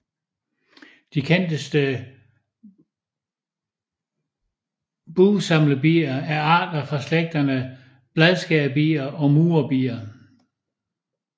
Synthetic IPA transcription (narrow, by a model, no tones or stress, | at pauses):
d̥ikʰen̰d̥əsd̥ə | b̥uːsɑ̈mləb̥ḭːɐæɐɑ̈ːd̥ɐfʁɑ̈sleɡ̥̚d̥ɐnə | b̥lɛðˠsɡ̥ɛb̥ḭːɐʔɒ̽muːɐb̥ḭːɐ